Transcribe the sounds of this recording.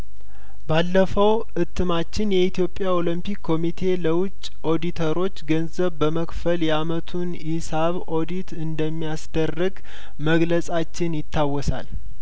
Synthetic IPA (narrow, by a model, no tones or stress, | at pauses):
balːəfəw | ʔɨt̪ʰːɨmat͡ʃːɪnjɛit̪ijo̞pʼːjaolimpikʰːo̞mit̪ʰe̞ləwʊt͡ʃʼːʔo̞d̪it̪ʰəɾo̞t͡ʃːɡənzəβbəməkfəljɛamət̪ʰunjɪsaβʔo̞d̪it̪ɨnd̪əmːijasd̪̥ərːɨɡ | məɡləsʼat͡ʃːɪnjɪt̪ʰːawːɔsa̰l